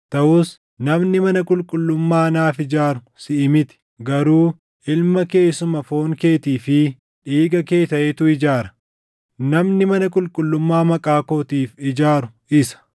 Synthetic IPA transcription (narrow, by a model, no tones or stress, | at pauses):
t̪ɐʔʊs | nɐmnɪmɐnɐkʼʊlkʼʊlːʊmːaːɐnaːfɪd͡ʒaːɾʊ | sɪʔɪmɪt̪ɪ̥ | ɡɐɾuː | ɪlmɐke̞ːsʊmɐfo̞ːŋke̞ːt̪iːfɪ | ᶑiːɡʼɐke̞ːt̪ɐʔeːt̪ʊɪd͡ʒaːɾɐ̥ | nɐmnɪmɐnɐkʼʊlkʼʊlːʊmːaːmɐkʼaːko̞ːt̪iːfɪd͡ʒaːɾʊ | ɪsɐ̥